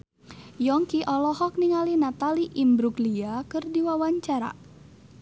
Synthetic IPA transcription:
jɔŋkiʔɔlɔhɔk̚niŋalinat̪aliʔimbɾuɡliakɨrdiwawaɲt͡ʃaɾa̰

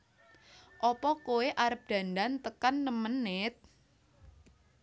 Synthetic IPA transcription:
ʔɔpɔkoeʔaɾəp̚d̪̥ä̤nd̪ant̪əkanːəmənɪt̪̚

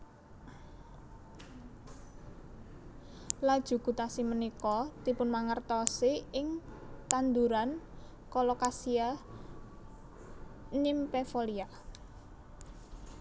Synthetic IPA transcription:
lad̥ʒ̥ṳkut̪asimənikɔt̪ipʊnmaŋərt̪ɔseɪŋt̪and̪uɾan | kɔlokasia | nimpefolia

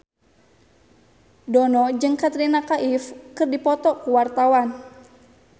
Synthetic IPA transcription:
dɔnɔd͡ʒɨŋkat̪ɾinakaʔifkɨrdipɔt̪ɔkuwart̪awan

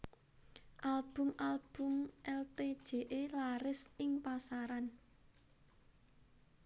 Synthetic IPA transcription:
ʔalb̥ʊ̤mʔalb̥ʊ̤mʔɛlt̪ed̥ʒ̥e̤ʔelaɾɪsɪŋpasaɾan

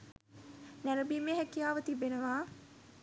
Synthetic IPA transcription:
næɾəbimeɦɛkːijaːʋət̪ibːenəʋaː

